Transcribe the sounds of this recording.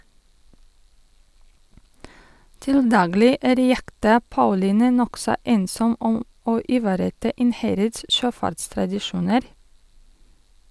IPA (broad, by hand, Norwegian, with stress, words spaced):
ˈtɪl ˈdɑːɡlɪ ˈæːɾ ˈjɛktɑ ˈpɑʉliːnɛ ˈnɔksɔ ˈeːnsɔm ˈɔm ˈoː ʔɪˈʋɑːɾəˌtɑː ˈɪnˌhæɾəds ˈʃøːˌfɑɾtstɾɑdɪˌʃuːnəɾ